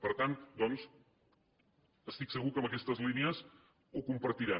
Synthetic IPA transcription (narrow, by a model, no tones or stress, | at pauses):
pəɾt̪ant̪d̪ɔns | əst̪iksəɣukəmbəkɛst̪əzlineəz | ukumpəɾt̪iɾa